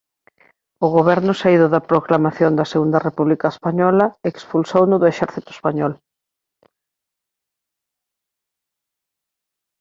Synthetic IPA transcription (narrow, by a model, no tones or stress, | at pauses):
ʊɣoβɛɾnʊsaiðʊðɐpɾoklamaθjond̪ɐseɣund̪ɐrepuβlikaespaɲɔlɐekspulsownʊðʊeʃɛɾθit̪ʊe̥spaɲɔl